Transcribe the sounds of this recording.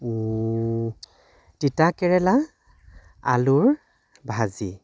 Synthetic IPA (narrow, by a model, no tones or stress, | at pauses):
titakɛɹɛla | a̰luɹ | bʱazi